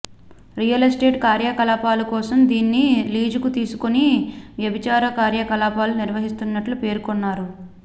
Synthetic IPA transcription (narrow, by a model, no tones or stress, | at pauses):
ɾijɐlɐsʈe̞ːʈkaːɾjakɐlaːpaːlukɔːsɐmd̪iːnːiliːd͡ʒukut̪iːsukoniʋjɐbʱit͡ʃaːɾɐkaːɾjɐkɐlaːpaːluniɾʋɐɦist̪unːɐʈlupe̞ːɾukɔnːaːɾu